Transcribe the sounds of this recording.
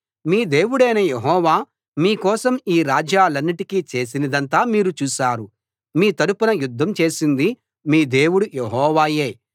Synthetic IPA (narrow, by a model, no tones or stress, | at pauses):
miːd̪e̞ːwuɽɐjnɐjeɦɔːʋaː | miːkɔːsɐmiːɾaːd͡ʒaːlɐnːiʈikit͡ʃe̞ːs̬inɐd̪ɐnt̪aːmiːɾut͡ʃuːʃaːɾu | miːt̪ɐɾupɐnɐjud̪ʱːɐmt͡ʃeːsind̪i | miːd̪e̞ːwuɽujeɦɔːʋaːje̞ː